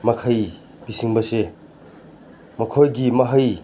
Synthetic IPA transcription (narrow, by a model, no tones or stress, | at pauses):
mɐkʰaj | bisiŋbɐse | mɐkʰojɡimɐɦɐj